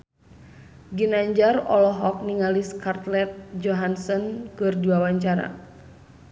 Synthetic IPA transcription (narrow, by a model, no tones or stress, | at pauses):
ɡinaɲd͡ʒarɔ̰lɔɦɔk̚niŋaliskart̪lɛt̪̚d͡ʒɔɦansɔnkɨrdiwawaɲt͡ʃaɾa̰